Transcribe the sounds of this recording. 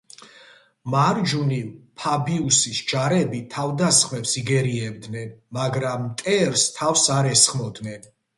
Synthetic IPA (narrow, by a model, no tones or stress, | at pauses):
maɾd͡ʒunipʰabiusisd͡ʒaɾɛbit̪ʰavd̪asχmɛpsiɡɛɾiɛbd̪nɛnmaɡɾamːt̪ʼɛɾst̪ʰafsaɾɛsχmɔd̪nɛn